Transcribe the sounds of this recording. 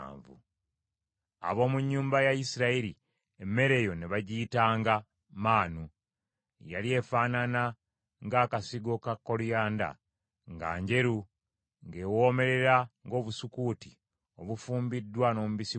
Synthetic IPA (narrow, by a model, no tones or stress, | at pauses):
ɱvṵ | a̰βo̞ːmuɲːuːmbajaisiɾaiɾi | emːe̞ɾe̞jo̞neβaɟiːtaːŋɡa | maːnu | jalie̞faːnana | ŋɡaːkasiɡo̞kakːo̞lujaːnda̰ | ŋɡa̰ːɲɟe̞ɾu | ŋɡewo̞ːme̞ɾe̞ɾaŋɡo̞ːβusukuti | o̞βufuːmbidːwano̞ːmuβisi